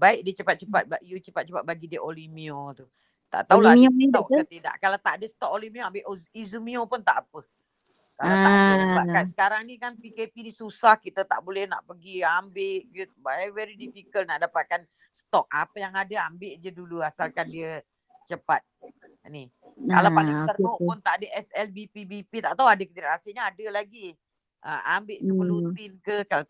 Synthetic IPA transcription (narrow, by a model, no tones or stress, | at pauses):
baɪʔ̚diət͡ʃəpat̪̚t͡ʃəpat̪̚bajut͡ʃəpat̪̚t͡ʃəpat̪̚baɡidiəʔolimiot̪u | t̪a̰ʔt̪aulanit̪aukət̪ida̰ʔkalawt̪aʔadəsə̥t̪ɔk̚olimioambɪʔizumĩopʊnt̪aʔapə | kalat̪aʔdaapaʔkansə̥kaɾaŋnikanpikepinisusahkit̪ət̪aʔbolɛhna̰ʔpəɡiambɪʔɡəbɛvɛɾidifikəlnaʔdapat̪̚kan | st̪ɔk̚apəjaŋadəambɪʔd͡ʒəduluasalkandiə | t͡ʃəpat̪̚ | ni | ka̰lawpaliŋsəɾoʔpʊnt̪aʔadəʔɛsɛlbipibipit̪aʔt̪awadəkət̪iɾʔasiɲəadəlaɡi | ʔəmambɪʔsəbəlut̪ɪnkəkal